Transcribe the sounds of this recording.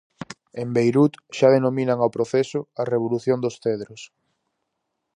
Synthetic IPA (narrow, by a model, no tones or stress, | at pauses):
embejɾut̪ʃaðenominaŋawpɾoθesʊɐreβ̞oluθjond̪osθeðɾʊs